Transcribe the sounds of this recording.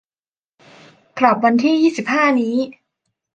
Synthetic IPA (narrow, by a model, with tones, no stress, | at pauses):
kɾa˨˩p̚wa˧nt̪ʰiː˥˩jiː˥˩si˨˩p̚haː˥˩niː˦˥